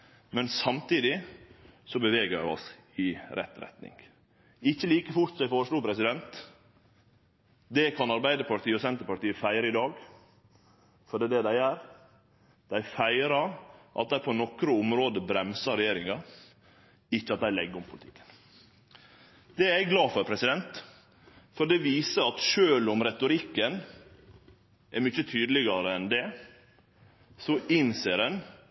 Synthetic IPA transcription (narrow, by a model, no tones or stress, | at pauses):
mɛnsɑmt̪iːd̪ɪ | sɔbəʋeːɡəɾæ̰ɪɔ̰sɪɾɛ̰t̪ːɾɛ̰t̪nɪ̰ŋɡ | ɪçːəliːkəfʊt̪sɔd̪æɪfoːɾəʂluːpʰɾɛsɪd̪ɛnt̪ | d̪ɛkʰɑnɑɾbæɪd̪əpʰɑʈ̪iːəɔsɛnt̪əɾpɑʈiːəfæɪɾəɪd̪ɑːɡ | fɔɖiːd̪ɛd̪æɪæɾ | d̪̥æɪfæɪɾɑɾʔɑ̰t̪̚d̪æɪpʰɔnɔkɾəʊmɾoːd̪əbɾɛmsɑɾɛjeːɾɪŋɑ | ɪçːəɑt̪̚d̪æɪlɛɡːəʊmpʰʊlɪt̪ʰɪkːə̥n | d̪ɛɛɡɡlɑːfɔɾpʰɾɛsɪd̪ɛnt̪ | fɔɖɛʋiːsəɑt̪ʃøːlʊmɾɛt̪ʊɾɪkːən | ʔɛɾmʏçːət̪ʰyːd̪lɪɡɑɾəɛnd̪ɛ | sɔʔɪnseːɾɛn